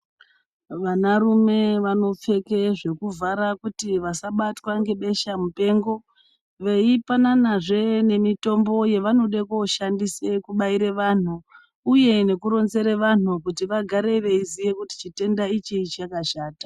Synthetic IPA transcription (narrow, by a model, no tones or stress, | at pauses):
ʋanarume̞ʋano̞p͡fe̞ke̞ʐe̞kuvaɾakutiʋasaɓatwaŋɡe̞ɓe̞ʃamupe̞ːŋɡo̞ | ʋe̞ipananaʐe̞ne̞mito̞mbo̞je̞ʋano̞ɗekoʃandisekuɓaiɾeʋan̤u | uje̞ne̞kuɾo̞nze̞ɾeʋan̤ukutiʋaɡʱaɾe̞iʋe̞izije̞kuti̥t͡ʃite̞ndait͡ʃit͡ʃakaʃaːta